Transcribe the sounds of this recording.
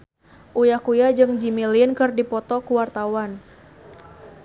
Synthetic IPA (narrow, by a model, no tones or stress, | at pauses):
ʔujahkujad͡ʒɨŋd͡ʒimilɪnkɨrdipɔt̪ɔkuwart̪awan